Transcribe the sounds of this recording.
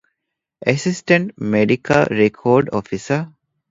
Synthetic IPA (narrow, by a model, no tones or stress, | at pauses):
ʔesisʈəɳʈmeɖikʰɐlɾekʰoːɖofisə